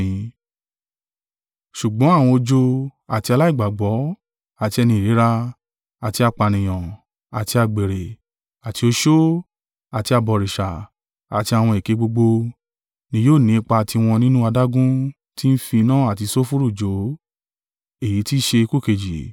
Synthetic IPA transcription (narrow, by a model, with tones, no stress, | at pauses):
ʃu˨ɡ͡bɔ̃˨˦a˦˨w̃ɔ̃˧o˧d͡ʒo˧a˨ti˧a˧la˦i˦˨ɡ͡ba˨ɡ͡bɔ˨˦ | a˨ti˧ɛ˧nĩ˧˨ɾe˨˦ɾa˧ | a˨ti˧a˧k͡pa˨nĩ˨j̃ɔ̃˨ | a˨ti˧a˧ɡ͡be˨ɾe˨ | a˨ti˧o˧ʃo˦ | a˨ti˧a˧bɔ˨ɾi˨ʃa˨ | a˨ti˧a˨w̃ɔ̃˧i˨ke˨˦ɡ͡bo˧ɡ͡bo˧ | nĩ˧˦joː˦˨nĩ˨˦˧k͡pa˧a˨ti˧w̃ɔ̃˧nĩ˦nũ˦a˧da˦ɡũ˦ | ti˦n̩˦fi˧nãː˦a˦˨ti˧so˦fu˦ɾu˦˨d͡ʒo˨˦ | e˦˨ji˨˦ti˦ʃe˧ku˦˨ke˨d͡ʒi˨